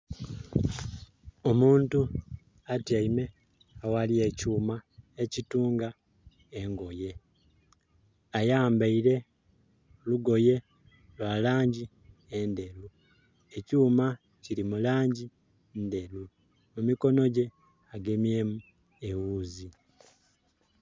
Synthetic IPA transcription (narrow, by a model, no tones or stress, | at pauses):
o̞muːntu | atjaime̞ | awaliecuːmaecituːŋɡa | eŋɡo̞je̞ | ajaːmbaiɾe̞ | luɡo̞je̞ | lwalaːɲɟi | ende̞lu | e̞cuːma | ciɾimulaːɲɟi | nde̞lu | mumiko̞no̞ɟe̞ | aɡe̞mje̞mu | e̞wuːzi